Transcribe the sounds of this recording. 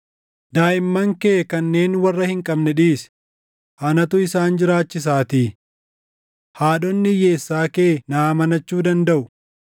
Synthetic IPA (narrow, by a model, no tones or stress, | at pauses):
d̪aːʔɪmːɐŋkeːkɐnːe̞ːnwɐrːɐhɪŋkʼɐbnɛᶑiːs | hɐnɐt̪ʊɪsaːnd͡ʒɪɾaːt͡ʃːɪs̬aːt̪iː | haːɗɔnːɪje̞ːsːaːkeːnaːmɐnɐt͡ʃːuːd̪ɐnd̪ɐʔʊ